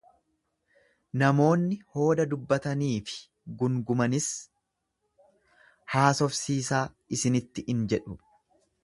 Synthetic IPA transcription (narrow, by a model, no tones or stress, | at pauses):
nɐmo̞ːnːɪho̞ːd̪ɐd̪ʊbːɐt̪ɐniːfɪ̥ | ɡʊŋɡʊmɐnɪs | haːsɔfsiːsaː | ɪsɪnɪt̪ːɪʔɪnd͡ʒɛᶑʊ